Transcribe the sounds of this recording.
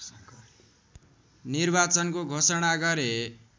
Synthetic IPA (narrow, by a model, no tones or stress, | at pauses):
nirbat͡sʌnkoɡʱosʌɽ̃aɡʌɾe